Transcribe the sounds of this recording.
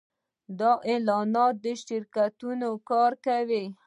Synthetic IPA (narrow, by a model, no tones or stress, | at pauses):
d̪ɑʔelɑnɑt̪̚d̪əʃɪɾkat̪unokɑɾkawi